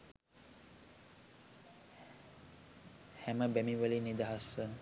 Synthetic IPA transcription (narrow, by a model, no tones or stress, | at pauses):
hɛməbɛmiʋəlinid̪əɦasən